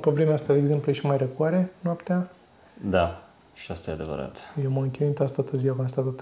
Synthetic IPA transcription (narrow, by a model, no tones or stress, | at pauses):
povɾemeast̪ad̪eɡze̞mpleʃimajrekuaɾe̞noapt̪ea | d̪a | ʃiast̪ajead̪e̞və̰ɾa̰t̪jewmamɨŋkʲeint̪oast̪at̪əzijakonst̪at̪at̪